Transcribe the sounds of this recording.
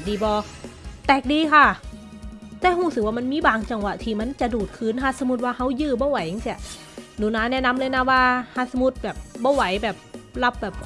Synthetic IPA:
diː˧˩bɔː˧t̪ɛː˨˩k̚diː˧kʰa˧˥˩ | t̪ɛː˧˩˨huː˧˩sk̚waː˧˩ma˧˥nmiː˧˥˨baː˨˩ŋt͡ɕa˧ŋwa˨˩t̪ʰiː˧˩ma˧˥˨nt͡ɕa˨˩ʔduː˨˩t̪̚kʰɯː˨˧˥nhʰaː˧˥˩su˧˦mu˧˥˩t̪̚waː˧˩kʰa˦˧˥wjɯː˧˩bɔː˧˥˩wa˨˦jha˧˦si˧˩ə | nuː˨˦naː˧˥nɛː˦˧˥na˧˥˨mlɤː˧jna˦˥waː˧˩haː˧˥tsu˧mu˧˥t̪̚bɛː˨˩p̚bɔː˧˥˩wa˨˦jbɛː˨˩p̚la˦˧˥p̚bɛː˨˩p̚kʰ

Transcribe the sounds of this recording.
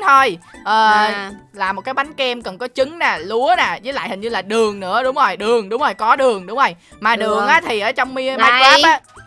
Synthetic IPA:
t̪ʰo˧jʔəː˨˩laː˨˩mo˨˩t̚kaː˨˦jɓa˨˦ŋ̟kɛ˧mkə˨˩nkɔ˨˦t͡ɕɨ˨˦ŋnaː˨˩lu˨˦ənaː˨˩zəː˨˦la̰ː˧˨jhï˨˩ŋ̟ɲɨ˧laː˨˩ɗɨ˨˩əŋnɨ̰˧˥əɗʊ˨˦ŋ͡mzo˨˩jɗɨ˨˩əŋɗʊ˨˦ŋ͡mzo˨˩jkɔ˨˦ɗɨ˨˩əŋɗʊ˨˦ŋ͡mzo˨˩j | maː˨˩ɗɨ˨˩əŋʔaː˨˦t̪ʰi˨˩ʔəː˧˩˦t͡ɕɔ˧wŋ͡mmi˧əmaː˧ka˦p̚ʔaː˨˦

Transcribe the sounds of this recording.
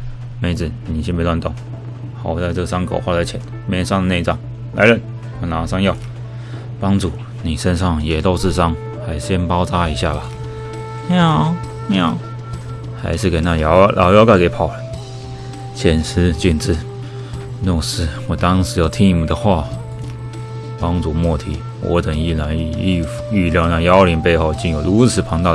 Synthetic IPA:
me˧˥ɪt͡sɹ̩˨˩ni˨˩ɕi˧˥nmpe˧˦lwa˥˩nt̪o˨˩˦ŋ | xɑ˨˩ʊt͡sa˥˧ɪt͡sɤ˥˩ɡsa˥ŋkʰo̰˨˩ʊxwa˥˧t͡sa˧˥ɪt͡ɕʰjɛ˨˧˦n | mjɛ˥ʂɑ˥˧ŋd̪ə˨ne˥˧ɪt͡sɑ˥˩ŋ | la˧˥ɪlə˥˩n | wɔ˨˩na˨˩sɑ˥˧ŋjɑ˥˧ʊ | pɑ˥ŋʈ͡ʂu˥˩ | ni˨˩ʂə˦nʂɑ˥˩ŋjɛ˨˩t̪o˥˧ʂɹ̩˥˩sɑ˥ŋ | xa˧˥ɪʂɕjɛ˥npɑ˥ʊt͡sa˥i˧˥ɕja˥˩bɐ˨˩ | mja˥˩ʊ | mja˥˩ʊ | xa̰˧˥ɪʂɻ̩˥˩ke˨˩ɪna˥˧˩jɑ˧˥lʔɑ̰˧˥ʊjɑ˧˥ʊka˥˩ɪke˧˥ɪpʰɑ˨˩ʊlə˦ | t͡ɕʰjɛ˨˩ns̩˥t͡ɕy˨˩nt͡sɹ̩˥˩˦ | nɔ˥˩ʂ̩˥wɔ˨˩t̪ɑ˥ŋʂɻ̩˧˥jɑ˥˩ʊt̪ʰi˥ni˨˩mə˨˩d̪ə˨xwa˥˩ | pɑ˥ŋʈ͡ʂu˥˩mwɔ˥˩t̪ʰi˨˩ | wʔɔ̰˧˥t̪ə˨˩ŋi˥˩la˧˥n˧˩i˥˧˩fy˥˧ljɑ˥˧ʊna˥˩jɑ˥ʊli˧˥npe˥˧ɪxo˥˧ʊt͡ɕi˥˩njo˨˩ʊlu˧˥t͡sʰɹ̩˨˩pʰɑ˧˥ŋt̪ɑ˥˧

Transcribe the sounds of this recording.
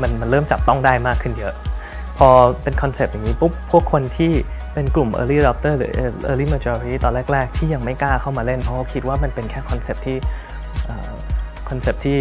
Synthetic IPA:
ma˧nma˧nɾɤː˥˩mt͡ɕa˨˩p̚t̪ɔ˥˩ŋdaː˥˩jmaː˥˩kʰːɯ˧˩njɤ˦˥ʔ | pʰɔː˧pe˧nkʰɔ˧nse˨˩p̚ja˨˩ŋiː˦˥pʰu˥˩pʰu˥˩əkʰːo˧nt̪ʰiː˥˩ | pe˧nklu˨˩mʔɤ̰ː˧liː˥˩dɔ˦˥p̚t̪ɤː˥˩lɯ˩˦ʔʔɤː˧liː˥˩maː˧t͡ɕɔː˧ɾiː˥˩t̪ɔː˧nɾɛː˥˩k̚ɾɛː˥˩k̚t̪ʰiː˥˩ja˧ŋma˥˩jkaː˥˩kʰa˥˩wmaː˧le˥˩npʰɔ˦˥a˧˥˩wkʰi˦˥t̪̚waː˥˩ma˧npe˧nkʰɛː˥˩kʰɔ˧nse˨˩p̚t̪ʰiː˥˩ | ʔəː˨˩ | kʰɔ˧nse˨˩p̚t̪ʰiː˥˩

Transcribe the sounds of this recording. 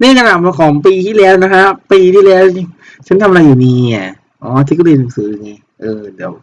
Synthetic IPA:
niː˥˩ka˧naː˨˩p̚ma˧kʰɔː˨˩˦ŋpiː˧t̪ʰiː˥˩lɛː˦˥wna˦˥kʰa˦˥ʔpiː˧t̪ʰiː˥˩lɛː˦˥wni˧˩ | t͡ɕʰa˦˥nt̪ʰa˧m˧ɾa˧juː˨˩niː˧˩a̰˨˩ | ʔɔː˩˦t̪ʰiː˦˥˩kːliː˧˩na˨˩˦ŋsɯː˩˦juː˨˦niː˧˩ | ʔɤː˧d̪i˨˧˩əw

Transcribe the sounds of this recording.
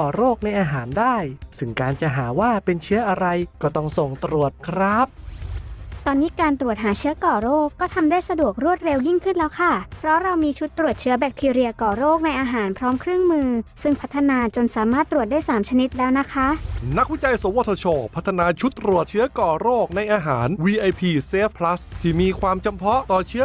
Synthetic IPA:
ɔː˨˩ɾoː˥˩k̚na˧jʔaː˧ɦaː˩˦ndaː˥˩jsɯ˥˩ŋkaː˧nt͡ɕa˨˩ɦaː˩˦waː˥˩pe˧nt͡ɕʰɯ˦˥ɐʔa˧ɾa˧jkɔː˥˩t̪ɔ˥˩ŋso˨˩ŋt̪ɾu˨˩ət̪̚kʰɾa˦˥p̚ | t̪ɔː˧nːiː˦˥kaː˧nt̪ɾu˨˩ət̪̚ɦaː˩˦t͡ɕʰɯː˦˥ɐkɔː˨˩ɾoː˥˩kːɔː˥˩t̪ʰa˧mdaː˥˩jsa˧du˨˩ək̚ɾu˥˩ət̪̚ɾe˧wji˥˩ŋkʰɯ˥˩nlɛː˦˥wkʰa˥˩pʰɾɔ˦˥ɾa˧wmiː˧t͡ɕʰu˦˥t̪ːɾu˨˩ət̪̚t͡ɕʰɯ˦˥ɐbɛː˨˩k̚t̪ʰiː˧ɾi˧ɐkɔː˨˩ɾoː˥˩k̚na˧jʔaː˧ɦaː˩˦npʰɾɔː˦˥mkʰɾɯ˥˩əŋmɯː˧sɯ˥˩ŋpʰa˦˥t̪ʰːa˧naː˧t͡ɕo˧nsaː˨˩˦maː˥˩t̪ːɾu˨˩t̪̚daː˥˩jsaː˩˦mt͡ɕʰa˧ni˦˥t̪̚lɛː˦˥wna˦˥kʰa˦˥na˦˥k̚wi˦˥t͡ɕa˧jso˩˦wo˧˩t̪ʰːo˧t͡ɕʰoː˧˩pʰa˦˥t̪ʰːa˧naː˧t͡ɕʰu˦˥t̪ːɾu˨˩ət̪̚t͡ɕʰɯ˦˥ɐkɔː˨˩ɾoː˥˩k̚na˧jʔaː˧ɦaː˩˦nwiː˧ʔa˧jpʰiː˧seː˦˥ppʰːla˦˥st̪ʰiː˥˩miː˧kʰwaː˧mt͡ɕa˧mpʰɔ˦˥t̪ɔː˨˩t͡ɕʰɯ˦˥

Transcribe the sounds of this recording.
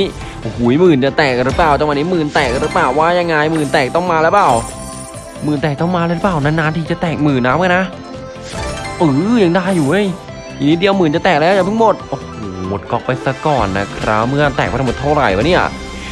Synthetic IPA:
ʔo˧˩hu˩˦jmɯː˨˩nt͡ɕa˨˩t̪ɛː˨˩k̚ɾɯ˦˥plaː˨˩wt͡ɕ̪a˧ŋwaː˧niː˦˥mɯː˨˩nt̪ɛː˨˩k̚ɾɯ˦˥plaː˨˩wːaː˥˩ja˧ŋːaː˧jmɯː˨˩nt̪ɛː˨˩k̚t̪ɔ˥˩ŋmaː˧lɛː˦˥wplaː˨˩w | mɯː˨˩nt̪ɛː˨˩k̚t̪ɔ˥˩ŋmaː˧lɛː˧˥˧ɾɯ˦˥paː˧˩wna˧˥nːaː˧˥nt̪ʰiː˧˩t͡ɕa˨˩t̪ɛː˨˩k̚mɯː˨˩naː˦˥mka˧˩na˦˥ | ʔɯː˧˩jaː˧ŋdaː˧˥˩juː˨˩ʔo˦˥˩j | nːi˦˥t̪̚di˧əwmɯː˨˩nt͡ɕa˨˩t̪ɛː˨˩k̚lɛ˦˥˨wa˨˩t̪ʰːmo˨˩t̪̚ʔoː˧hoː˨˩mo˨˩t̪̚kɔː˨˩k̚pːa˧jsa˧kɔː˨˩nːa̰˦˥kʰɾa˦˥mɯ˥˩ɐt̪ɛː˨˩k̚ːtʰa˧m˨˩t̪ʰa˥˩wɾa̰˨˩jwaː˧˩ni˥˩ɐʔ

